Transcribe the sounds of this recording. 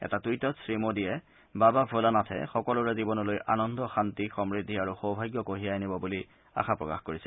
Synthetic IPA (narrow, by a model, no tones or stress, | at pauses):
ɛ̰tatujtɔtsɹimodijɛ | bababʱolanatʰɛ̰xɔkɔlʊɹɛzibɔnɔlojʔa̰nɔndʱɔxantixɔmɹidʱːiaɹuxowbʱajɡjɔkoɦijajnibɔbuli | a̰xapɹɔka̰xkoɹisɛ